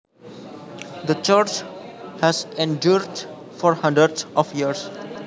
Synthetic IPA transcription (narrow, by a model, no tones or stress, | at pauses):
d̪ət͡ʃəɾt͡ʃ | hæzẽɳɖjuːɾɖ | fɔɾhʌ̃ɳɖɾəɾɖsɔfjiəɾz